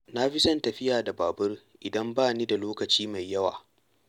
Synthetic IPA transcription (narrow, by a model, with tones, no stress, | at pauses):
na˦ɸɪ˦sɐ˦ntɐ˨ɸɪ˦jaː˨da˨baː˨bʊ˦r | ʔɪ˨dɐ˦mbaː˦˨niː˦da˨loː˦kɐ˨t͡ʃiː˦ma˨jːɐ˦wa̰ː˨